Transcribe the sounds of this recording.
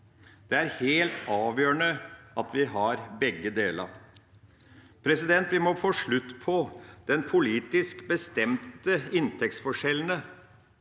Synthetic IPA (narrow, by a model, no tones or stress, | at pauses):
d̪̥ɛæɾheːlt̪ɑːʋjøːəɳəɑt̪ʰʋɪɦɑɾbɛɡːəd̪eːlɑ̰ | pʰɾɛsɪd̪ɛnt̪ʋɪmɔfoːʂɭʉt̪ːpʰɔd̪̥ɛnpʰʊliːt̪ɪskbəst̪ɛmt̪əɪnt̪ʰɛkt̪sfɔʂɛlən̩ə